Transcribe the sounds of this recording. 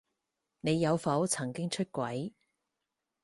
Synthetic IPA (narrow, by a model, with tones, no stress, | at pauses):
ne˨˧jːɐ˨˧wfɐ˨˥wt͡sʰɐ˨˩ŋkɪ˥ŋt͡ʃʰɵ˥t̚kʷɐ˨˥j